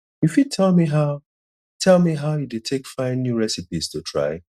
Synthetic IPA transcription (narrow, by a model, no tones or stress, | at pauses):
ifjutʰɛlˠmiɦaʊ | tʰɛlˠmiɦaʊjudetʰekfãɪ̃nːjuɹɛsipiz̥tʰutʰɹa̰ɪ